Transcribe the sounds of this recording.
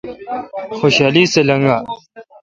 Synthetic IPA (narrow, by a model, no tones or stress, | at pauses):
xoːɕaːliːselɐŋɡaː